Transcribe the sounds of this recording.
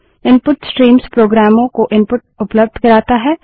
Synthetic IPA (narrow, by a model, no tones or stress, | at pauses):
ɪ̃npʊʈsʈɾiːmspɾoːɡɾaːmõkoʔɪ̃npʊʈ̚ʊpləb̚d̪ʱkɐɾaːt̪aɦɛː